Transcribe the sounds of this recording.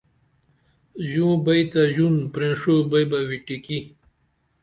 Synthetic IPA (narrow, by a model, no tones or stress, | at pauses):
ʑũbɐjt̪aʑunpɾẽʂobɐjbawiʈiki